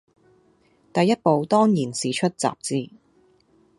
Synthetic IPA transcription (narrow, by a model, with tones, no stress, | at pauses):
t̪ɐ˨˧jɐ˥t̚po˨˧wt̪ɔː˥ŋjiː˨˩nsiː˨˩t͡ʃʰɵ˥t̚t͡sa̰ː˨˩p̚t͡siː˧